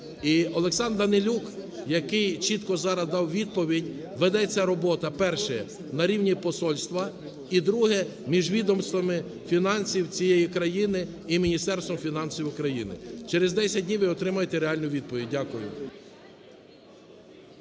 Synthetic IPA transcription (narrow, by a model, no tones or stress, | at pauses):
iɔlˠeksɑnd̪ɐnɪlʲukjɐkɪjt͡ʃit̪kɔzɑɾɐzd̪ɑwʋʲid̪̚pɔʋʲidʲ | ʋed̪ɛt͡sʲːɐɾɔbɔt̪ɐpɛrʃɛ | nɐɾʲiwnʲipɔsɔlʲst̪ʋɐ | id̪ɾuɦɛ | mʲiʒʋʲid̪ɔmst̪ʋɐmɪ | fʲinɑnsʲiwt͡sʲijɛjikɾɐjinɪ | imʲinʲist̪ɛɾst̪ʋɔmfʲinɑnsʲiwʊkɾɐjinɪ̰t͡ʃeɾezd̪ɛsʲɐdʲnʲiʋɪɔt̪ɾɪmɐjet̪eɾeɑlʲnʊjʋʲid̪̚pɔʋʲid̚ʲdʲakʊjʊ̰